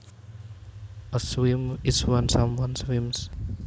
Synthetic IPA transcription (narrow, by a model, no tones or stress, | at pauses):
əswimɪswʌ̃nsʌ̃mwʌ̃nswĩms